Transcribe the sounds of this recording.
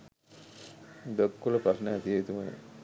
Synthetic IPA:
d̪əkːuləpɾasnəæt̪ieit̪uməjḛ

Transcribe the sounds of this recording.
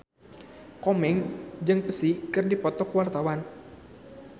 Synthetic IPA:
kɔmɛŋd͡ʒɨŋpəsikɨrdipɔt̪ɔkwart̪awan

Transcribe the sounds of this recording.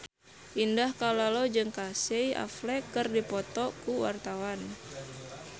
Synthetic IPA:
ʔindahkalalod͡ʒɨŋkaseja̰flɛkɨrdipɔt̪ɔkuwa̰rt̪awan

